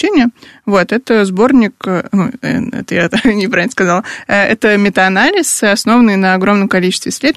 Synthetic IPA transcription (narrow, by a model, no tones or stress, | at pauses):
enʲɪəvo̞t̪ɛt̪əzbo̞rnʲɪknuɛ̰ɛ̰t̪əjat̪nʲɪpɾavʲlnəskɐzɑlˠɛt̪əmʲɪt̪əɐnalʲɪsɐsno̞vənːɨjnəɐɡɾo̞mnəmkɐlʲit͡ɕɪst̪vʲɪsʲlʲed̪